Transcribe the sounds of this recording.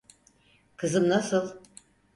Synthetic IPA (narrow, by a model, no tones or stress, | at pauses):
kʰɯzɯmnasɯlˠ